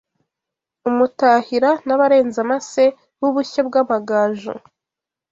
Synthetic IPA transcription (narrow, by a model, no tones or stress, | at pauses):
umutaːhiɾanaβaɾe̞ːnzamase̞ | wuβuçab̚ɡaβaɡaːʒṵ